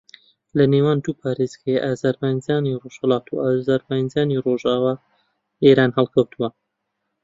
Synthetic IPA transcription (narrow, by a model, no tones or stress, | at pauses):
lɐnewaːnd̪uːpʰaːɾezɡɛjeʔaːzaɾmajnzaːniroʃhɐlɑːt̪uaːzaːɾmajnzaːniroʒaːwaː | eːɾaːnhɛlˠkʰɐwt̪ʰuwɐ